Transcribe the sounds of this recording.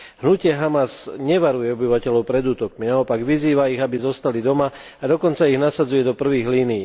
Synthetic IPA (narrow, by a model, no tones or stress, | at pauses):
ɦnucɪɛɦamazɲɛʋaɾujɛɔbiʋacɛlɔʊpɾɛd̪uːt̪ɔkminaɔpaɡʋiziːʋaiɣabizɔst̪alid̪ɔma | ad̪ɔkɔnt͡saiɣnasad͡zujɛd̪ɔpr̩ʋiːɣliːniji